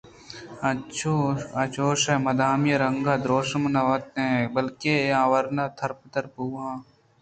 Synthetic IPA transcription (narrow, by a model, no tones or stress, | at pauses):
ɐt͡ʃʰoɐt͡ʃoːʃɛmɐd̪aːmjɐɾɐŋɡaːd̪ɾoːʃmnɐʋɐt̪ɦẽbɐlkeãːʋɐɾnaːt̪ʰɐɾpt̪ɐɾpuːãː